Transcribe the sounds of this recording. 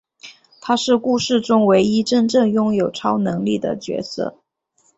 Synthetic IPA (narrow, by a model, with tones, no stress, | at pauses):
t̪ʰa˥ʂɻ̩˥˧ku˥˧ʂɻ̩˥˩ʈ͡ʂʊ˥ŋwe˧˥ɪi˥ʈ͡ʂə˥˧ŋʈ͡ʂɤ˥˧ŋjʊ˥˩ŋjo˨˩ʊʈ͡ʂʰɑ˥ʊnɤ˧˥ŋli˥˩d̪ə̰˩t͡ɕɥɛ̰˧˥sɤ̰˥˩